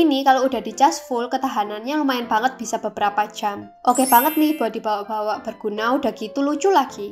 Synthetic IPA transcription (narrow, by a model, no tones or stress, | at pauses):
inikaloud̥a̤hd̥it͡ʃasfulkət̪aɦananɲalumaɪnb̥aŋət̪̚b̥isab̥əb̥əɾapḁd͡ʒam | ʔokebaŋət̪̚nɪhb̥owadibawaʔb̥awaʔb̥ərɡ̥unauda̤hɡ̥it̪ulut͡ʃulaɡ̥i